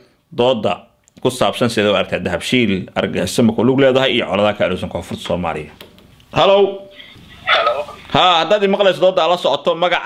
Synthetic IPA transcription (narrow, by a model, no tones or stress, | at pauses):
d̪ɔːd̪ːɐ̰ | kʰʊsaːbsɐnsɪɛːðɛwɐɾkt̪ʰɛːd̪ɐɦɐbʃiːlɐ̰rɡɐɪst̪ɐmɐkʰɔlʊɡlɛːðɐɦɛjijɞʕɔ̰lɐðɐkʰɐːluːsɐŋkʰɔːfʊrt̪ʰsɔːma̰ːlɪ̰jɐ | hɐlɔw | haːhɐd̪aːd̪ɪmɑqlɛjsɔd̪ɔːd̪ɐːlɐsɔʕɔt̪ʰɔmɐɣɑʕ